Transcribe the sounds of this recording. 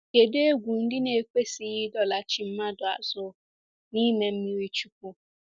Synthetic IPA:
ke˨de˦e˦ɡʷu˨n̩˦dɪ˦ne˨kʷe˦si˨˦ɦi˦dɔ˦la˨t͡ʃi˨m̩˦ma˦dʊ˨a̰˨zʊ˦ | ni˦me˨m̩˦mi˦ɾi˦t͡ʃu˦k̚ʷu˦

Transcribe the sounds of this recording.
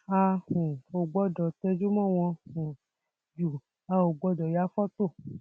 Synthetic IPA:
a˧hũ˨o˨ɡ͡bɔ˦dɔ˨tɛ˧d͡ʒu˦mɔ̃˦˨w̃ɔ̃˧hũ˨ | d͡ʒu˨ | a˧o˨ɡ͡bɔ˧dɔ˨ja˨˦fɔ˦t̪o˦˨

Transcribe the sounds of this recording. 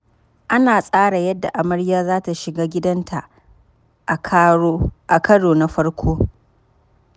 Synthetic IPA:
ʔa˦naː˨sʼaː˦ɽa˨jɐ˦dːa˨ʔa˨mɐ˦ɽjaː˦zaː˦ta˨ʃɪ˨ɡaː˦ɡʲɪ˦dɐ˦ntʰa˨˦ | ʔa˨kɐ˦ɽoː˨na˦ɸɐ˦rkʷʰoː˦

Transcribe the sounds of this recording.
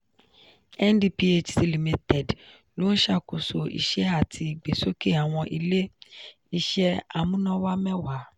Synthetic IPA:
ɛ˦n˦di˧pi˧e˧t͡ʃsi˧li˨mi˧tɛ˨d | lõ˨˦ʃa˦˨ko˨so˨ḭ˨ʃɛ˦a˨tʰi˧˨ɡ͡be˨so˦ke˦˨a˨w̃ɔ̃˧ʔi˧le˦ | i˦˧ʃɛ˦a˨mũ˦nã˦wa˦mɛ̃˦wa˨

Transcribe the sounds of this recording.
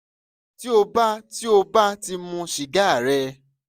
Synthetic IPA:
ti˦o˧ba˦ti˦o˧ba˦ti˧mũ˧ʃi˨ɡa˨˦˨ɾɛ˧

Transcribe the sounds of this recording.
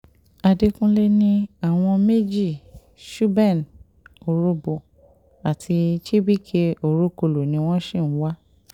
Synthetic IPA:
a˧de˧kũ˦le˦nĩ˦a˦˨w̃ɔ̃˧me˦d͡ʒi˦˨ | ʃu˦bɛ˦˨n | o˨ɾo˧bo˨ | a˨tʰi˧t͡ʃi˦bi˦˨kʰe˧o˨ɾo˦ko˧lo˨nĩ˧˦w̃ɔ̃˦ʃĩ˦˨˦wa˦

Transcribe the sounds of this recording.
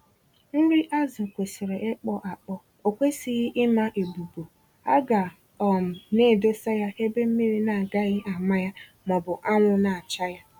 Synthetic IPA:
n̩˦ɾi˦ʔa˦zɪ˨kʷe˨si˨ɾe˨ʔe˦k͡pɔ˦ʔa˨k͡pɔ˦ | o˨kʷe˦si˦ɣɪ˦ʔɪ˦ma˦ʔe˨bu˨bo˨ | a̰˦ɡa˨ | ɔ˨m̩˨ne˦˨do˦sa˦ja˦e˦be˦m̩˦mi˦ɾi˦na˨ɡa˦ɣɪ˦a˨ma˦ja˦ | mɔ˨bʊ˨ʔa˦ŋʷʊ˦na˨a˨t͡ʃa˦ja˦

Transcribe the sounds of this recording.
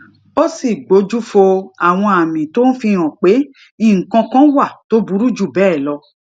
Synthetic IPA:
o˦si˦˨ɡ͡bo˨˦d͡ʒu˦fo˧a˨w̃ɔ̃˧a˨mĩ˨to˨˦n̩˦fĩ˧ɔ̃˨k͡pe˨˦ | ĩ˦˨ŋ̩˨kã˧kã˦wa˦˨to˨˦bu˨˦ɾu˦d͡ʒu˦˨bɛː˦˨lɔ˧

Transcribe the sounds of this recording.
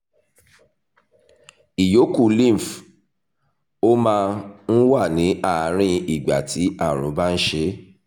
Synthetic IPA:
i˨jo˨˦ku˦˨lĩ˦˨f | o˦mãː˧n̩˦wa˦˨nĩ˨˦ʔa˦˨˦ɾ̃ĩ˧i˦˨ɡ͡ba̰˨tʰi˨˦a˦˨ɾ̃ṵ̃˨˦ba˦n̩˦ʃe˧˦

